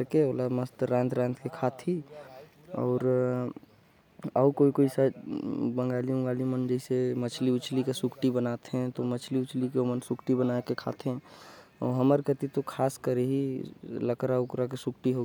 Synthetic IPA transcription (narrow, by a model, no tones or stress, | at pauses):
ɾkeolaməst̪ɾãːnt̪ʰɾãnt̪ʰkekʰat̪ʰi | ɔ̰ːɾ | əukoikoisad͡ʒbə̃ŋɡaliũɡalimənd͡ʒəisemət͡ʃʰliʊt͡ʃʰlikesʊkʰʈibənat̪ɦɛ̃t̪omət͡ʃʰliʊt͡ʃʰlikemənsʊkʈibənaekekʰa̰t̪ʰɦɛ̃ɔ̰ɦəməɾkət̪it̪okʰaːskəɾeɦiləkɾaukɾak̬esʊkʈiɦoɡ